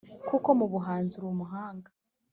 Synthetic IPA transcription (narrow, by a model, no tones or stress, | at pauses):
kuko̞muβuɦaːnziɾumuɦaːŋɡa